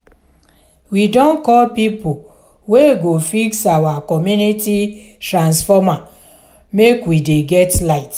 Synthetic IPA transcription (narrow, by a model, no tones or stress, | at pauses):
widɔ̃nkɔlpipo | weɡofiksawakɔmjuniti | tɾãnsfɔma | mekwideɡɛtlaɪt